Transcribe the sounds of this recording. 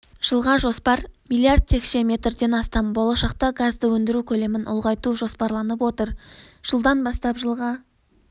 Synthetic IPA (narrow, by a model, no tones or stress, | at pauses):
ʒ̥əlˠʁɑʒo̞spɑɾmilʲˠiard̪̚t̪ʰe̞kʃe̞mʲe̞t̪rd̪e̞nɑst̪ɑmbo̞lˠɑʃɑqt̪ɑɡazd̪əwɵnd̪ɪɾukʲʰɵle̞mɪnʔʊ̰lˠʁɑjt̪uʒo̞spɑɾlˠɑnəpwo̞t̪əɾʒ̥əlˠd̪ɑnbɑst̪ɑpʒəlˠʁɑ